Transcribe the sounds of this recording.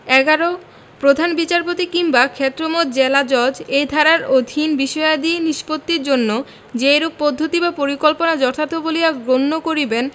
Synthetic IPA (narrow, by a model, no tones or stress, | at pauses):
ɛɡaɾo | pɾod̪ʱanbit͡ɕaɾpot̪ikimbakʰet̪ːɾomot̪d͡ʑelad͡ʑɔd͡ʑejd̪ʱaɾaɾod̪ʱinbiʃɔad̪ieniʃpot̪ːiɾd͡ʑonːo | d͡ʑejɾub̚pod̪ʱːot̪ibapoɾikolponad͡ʑɔt̪ʰat̪eboliaɡɾonːokoɾiben